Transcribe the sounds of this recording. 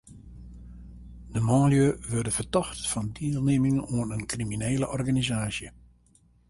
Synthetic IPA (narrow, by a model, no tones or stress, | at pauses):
dəmɔːljøʋørdəv̥ərtɔxtfɑndiːlˠneːmɪŋənoənənkrimineːləʔɔrɣanizaːsjə